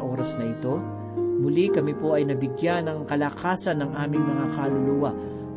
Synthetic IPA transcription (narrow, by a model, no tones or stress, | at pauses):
ʔoːɾɐsnɐʔɪt̪o̞ | mʊlikɐmipo̞ʔɐjnɐbɪɡjanːɐŋkɐlɐkaːsɐnːɐŋʔaːmɪŋmɐŋakɐlʊluwaʔ